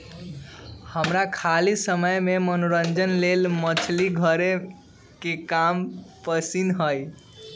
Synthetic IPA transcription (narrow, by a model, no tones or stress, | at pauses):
həmɾakʰalisəməjmemənoɾənd͡ʒənlelmət͡ʃʰliɡʱəɾe | kekampəsinɦəj